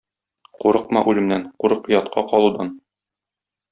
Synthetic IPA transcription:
quɾɤq̚mɑ̰ʔʉlɘ̆mnæɴquɾɤqjɒt̪qʰɑqɒlˠud̪ɑn

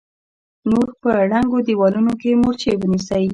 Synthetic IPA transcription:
noɾpəɽaŋɡod̪iwɑlunokemoɾt͡ʃewənisəj

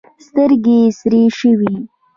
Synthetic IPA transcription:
st̪əɾɡesɾeʃəwi

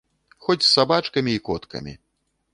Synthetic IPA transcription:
xɔt͡sʲsːabat͡ʂkɐmʲiːkɔt̪kɐ̰mʲḭ

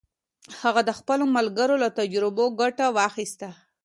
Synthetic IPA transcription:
haɣad̪əxpəlomalɡəɾolat̪ad͡ʒɾɪboɡaʈawɑxist̪a

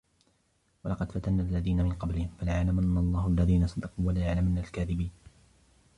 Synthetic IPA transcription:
walɑqɑd̪fat̪anːaːʔlːaðiːnamɪnqɑblɪhɪmfalajaʕlamanːaɑlˤːɑːhʊalːaðiːnasˤɑd̪ɑquːwalaːjaʕlamanːalkaːðɪbiːn

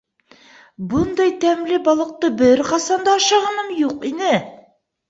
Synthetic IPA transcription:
bund̪ɑjt̪æmlɘbɒlˠɤ̆q̚t̪ɤbɘɾqɑsɑnd̪ɑːʃɑʁɑnɤmjuqinɘ

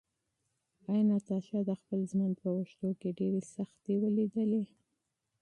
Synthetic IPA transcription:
ɑjnat̪ɑʃjɑd̪əxpəlzmənd̪pəwəʃt̪okeɖeɾesaxt̪ewəlid̪əle

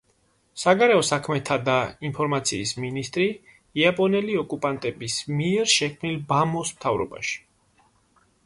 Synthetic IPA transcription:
saɡaɾɛɔsakʰmɛt̪ʰad̪ainpʰɔɾmat̪sʰḭːsminist̪ʼɾi | iapʼɔnɛliɔkʼupʼant̪ʼɛbismiɛɾʃɛkʰmnilbamɔsmt̪ʰavɾɔ̰ba̰ʃi̥

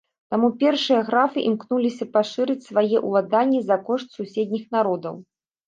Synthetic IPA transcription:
t̪amupʲɛrʂɨjɐɣɾafɨʔimknulʲisʲɐpaʂɨɾɨt͡sʲsvajɛʔulˠad̪anʲːizɐkɔʂt̪susʲɛd̪ʲnʲixnaɾɔd̪ɐ̰w

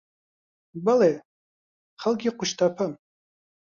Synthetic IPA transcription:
bale | χalkʲiqʷʰʊʃtʰapʰəm

